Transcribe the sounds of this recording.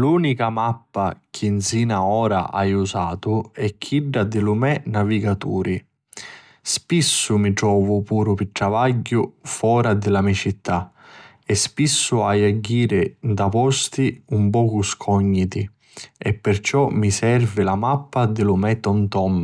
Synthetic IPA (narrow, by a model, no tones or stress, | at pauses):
luːnikamapːak̟ʰinsiːnaɔːɾa̰ʔajusaːt̪ʊɛkʰːiɖːad̪ɪlʊmɛnaviɡat̪uːɾi | spisːʊmiʈɾɔːvʊpuːɾʊpiʈɾavaɟːʊfɔːɾad̪ɪlamit͡ʃit̪ːa | ɛspisːʊajaɟːiːɾɪnd̪apɔst̪iumpɔːkuskʰɔɲːit̪i | ɛpːɪrt͡ʃɔmisɛrvɪlamapːad̪ɪlʊmɛt̪ːɔnt̪ɔm